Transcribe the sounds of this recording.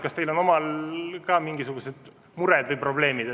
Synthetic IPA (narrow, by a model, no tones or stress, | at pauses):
kɑst̪e̞jlo̞nomɑlkɑːmiŋɡisuɡuse̞d̪̥ | muɾɛd̪vɯj̚pro̞ble̞ːmid̪̥